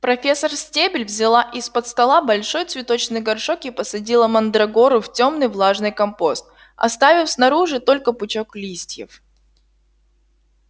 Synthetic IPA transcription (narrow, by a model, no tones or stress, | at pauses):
pɾɐfʲesːərsʲtʲebʲɪlʲvzʲɪlˠaʔɪspət̪st̪ɐlˠabɐlʲʂo̞jt̪svʲɪt̪o̞t͡ɕnɨjɡɐrʂokɪpəsɐdʲilˠəmɐnd̪ɾɐɡo̞ɾʊftʲo̞mnɨjvlˠaʐnɨjkɐmpo̞st̪̚ | ɐ̰st̪avʲɪfsnɐɾuʐɨt̪o̞lʲkəpʊt͡ɕoklʲisʲtʲjɪ̰f